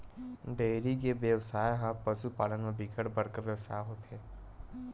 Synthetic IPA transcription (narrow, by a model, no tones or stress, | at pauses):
ɖeːɾikebjəʋsaːeɦãpəʃupaːlənmebʱikʰəɽbɐɽkəɾʋjəʋsa̰ːɦot̪eː